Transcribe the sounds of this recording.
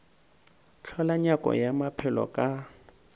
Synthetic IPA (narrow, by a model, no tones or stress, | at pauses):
t͡ɬʰɔlaɲakʼɔ̰jamapʰɛlɔ̰kʼa